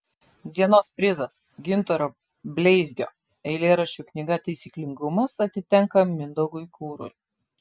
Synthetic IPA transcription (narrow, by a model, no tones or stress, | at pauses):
d̪ʲiɛnoːspʲɾʲɪzɐs | ɡʲɪnt̪ɔɾoː | bʲlʲɛɪzʲɡʲo̰ː | ɛɪlʲeːɾɐʃʲt͡ʃʲuːˑknʲɪɡɐt̪ɐɪsʲiːklʲɪŋɡʊmɐsɐt̪ʲɪt̪ʲɛŋˑkɐmʲɪnd̪ɔɡʊɪkuːɾʊ̰ɪ